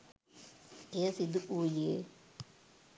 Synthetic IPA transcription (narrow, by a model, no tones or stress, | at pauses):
eːsid̪uʔuːje